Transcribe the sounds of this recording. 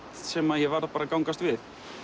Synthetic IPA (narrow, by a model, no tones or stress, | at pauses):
t̪sɛmaðjɛvaɾðapaːɾakawŋkast̪vɪð